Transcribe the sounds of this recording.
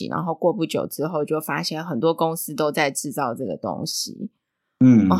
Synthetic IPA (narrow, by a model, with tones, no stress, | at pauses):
ḭ˨˩na̰˧˥nxo˥˧ʊkwɔ˥˧pu˥˩t͡ɕjo̰˨˩ʊʈ͡ʂɻ̩˥xo˥˧ʊt͡ɕjo˥˩ʊfa˥ɕjɛ˥˩nxə˨˩nt̪wɔ˥kʊ˥ŋsɹ̩˥t̪o˥ʊt͡sa˥˧ɪʈ͡ʂɻ̩˥˧t͡sɑ˥˩ʊʈ͡ʂɤ˥˩ɡə̰˩t̪o̰˥ŋɕḭ˨˦ | n̩˥˩˥